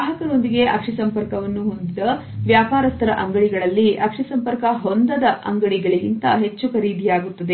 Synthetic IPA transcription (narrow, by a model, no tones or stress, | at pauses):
aːɦɐkɐɾo̞nd̪iɡe̞ʔɐkʂɐsɐmpɐɾkɐʋɐnːuɦo̞nd̪id̪ɐ | ʋjaːpaːɾɐst̪ʰɐɾɐʔɐŋɡɐɭiɡɐɭɐlːiʔɐkʂɐsɐmpɐɾkɐɦond̪ɐd̪ɐʔɐ̰ŋɡɐɭiɡɐɭiɡint̪ɐɦe̞t͡ʃːukʰɐɾiːd̪ʱijaːɡut̪ːɐd̪e